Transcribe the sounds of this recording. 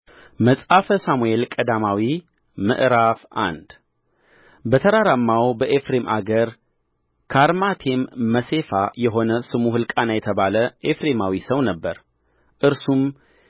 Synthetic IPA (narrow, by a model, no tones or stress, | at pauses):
məsʼafəsamue̞lkʼəd̪amawi | mɨ̰ʔɾafʔa̰nd̪ | bət̪ʰəɾaɾamːawbəʔefɾe̞mʔa̰ɡəɾ | kʰaɾmat̪ʰe̞mːəse̞fajɛɦo̞nəsɨmuɦɨlkʼanajɛt̪ʰəβaləʔefɾe̞mawisəwnəbːəɾ | ʔɨɾsum